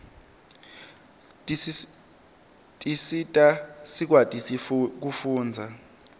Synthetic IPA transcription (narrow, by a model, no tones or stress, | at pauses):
tʼisitʼasik̬watʼik̬ufuːnd͡zʱa